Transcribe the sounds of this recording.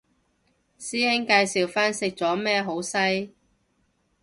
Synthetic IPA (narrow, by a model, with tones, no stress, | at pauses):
siː˥hɪ˥ŋkaː˧jsiː˨wfaː˥nsɪ˧˥k̚t͡sɔː˨˥mɛː˥˧ɦo˨˥wsɐ˥j